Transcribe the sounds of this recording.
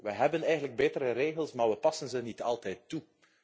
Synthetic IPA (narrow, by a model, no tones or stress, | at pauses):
ʋəɦɛbənɛjɣəndləɡ̚beːtəɾəɾeːɣəlˠsmaːɹʋəpɑsənzənitʰɑlˠtɛjtːu